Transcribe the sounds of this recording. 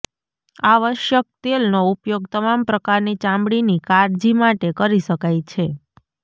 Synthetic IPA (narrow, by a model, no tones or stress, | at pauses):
aʋəʃjək̚t̪elnoupjoɡ̚t̪əmampɾəkaɾnit͡ʃãmbɽinikaɾd͡ʒimaʈekəɾiʃəkajt͡ʃʰe